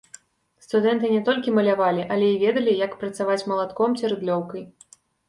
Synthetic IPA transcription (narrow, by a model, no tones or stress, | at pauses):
st̪ud̪ɛnt̪ɨnʲɛt̪ɔlʲkʲimɐlʲavalʲiʔɐlʲɛivʲɛd̪ɐlʲijakpɾɐt̪savat͡sʲmɐlˠat̪kɔmt͡sʲiɾɨd̪lʲɔwkɐj